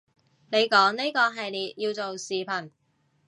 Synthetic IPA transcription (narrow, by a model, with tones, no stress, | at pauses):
ne˨˧jkɔː˨˥ŋni˥kɔː˧ɦɐ˨jliː˨˩t̚jiː˧wt͡so˨wsiː˨pʰɐ˨˩n